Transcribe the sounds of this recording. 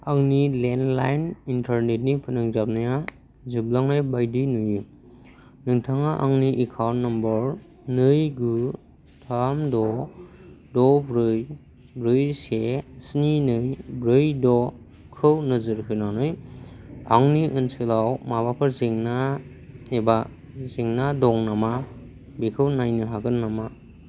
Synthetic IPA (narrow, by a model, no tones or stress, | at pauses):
aŋnilenlajnintʰaɾnet̚nipʰɯnɯŋzap̚naja | zɯblaŋnajbajdinɯj | nɯŋtʰaŋaʔaŋniʔikʰawnːɔmbɔɾ | nɯjɡɯ | tʰamdɔ | dɔbɾɯj | bɾɯjsesninɯjbɾɯjdɔ | kʰɯwnɯzɯɾɦɯjnawnɯj | aŋniʔɯnsɯlawmaβapʰɯɾzeŋna | eba | zeŋnadɔŋnama | bikʰɯwnajnɯɦaɡɯnːama